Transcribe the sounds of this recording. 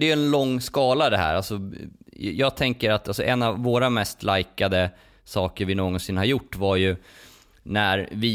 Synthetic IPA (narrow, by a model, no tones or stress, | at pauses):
d̪ɛjɵɛnlɔŋːskɑːlad̪ɛɦæ̰ːɾalsɔ | jɑːɡ̚t̪ʰɛŋkəɾat̪ːalsɔʔɛnːavːoːɾamɛst̪lajkad̪ə | sɑːkəɾvɪnoːɡɔnsɪnːhaɾjʊʈːvaɾjɵ | næɾvɪ